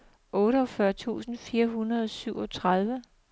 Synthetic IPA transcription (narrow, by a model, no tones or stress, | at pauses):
ʔɔːɾəɒ̽fɶɐt͡sʰṵːsn̩fiːɐɦunɐðˠsyʊ̰ɒt͡sʰʁað̞ˠʋə